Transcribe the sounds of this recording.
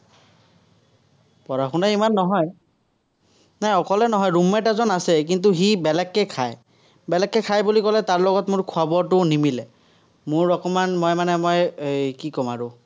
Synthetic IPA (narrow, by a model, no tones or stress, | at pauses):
pɔɹaxunaimanːɔɦɔj | najɔkɔlɛnɔɦɔjɹumːɛtazɔnasɛk̬int̬uxibɛlɛkːɛkʰaj | bɛlɛkːɛkʰajbulikɔlɛtaɹlɔɡɔtmʊɹkʰʊabɔɹtʊnimilɛ | mʊɹːɔkɔmanmɔjmanɛmɔjkikɔmaɹʊ